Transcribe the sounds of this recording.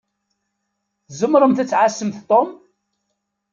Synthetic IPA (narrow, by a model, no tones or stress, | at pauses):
θzəmɾˤəmθæt͡sːʕasːəmθt̪ˤom